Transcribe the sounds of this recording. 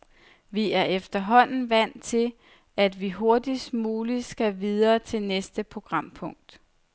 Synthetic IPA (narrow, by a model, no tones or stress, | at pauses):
ʋiæɐefd̥ɐɦɒ̽n̰n̩ʋæn̰t͡sʰe̝l | æd̥ʋiɦo̝ɐd̥ismuːlisɡ̥æʋið̞ˠɐːt͡sʰe̝lnesd̥əpʰʁo̝ɡ̥ʁɑ̈m̰pʰɔ̽ŋ̰d̥